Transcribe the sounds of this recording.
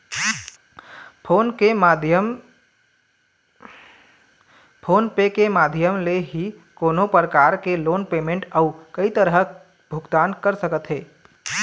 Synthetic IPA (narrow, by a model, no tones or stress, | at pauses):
pʰonkemd̪ʱjəm | pʰoːnpekemad̪ʱjəmleɦi | koːnopɾəkaɾkeloːnpeːmẽɳʈaukəit̪əɾɦə | bʱʊɡt̪aːnkəɾsəkət̪ɦeː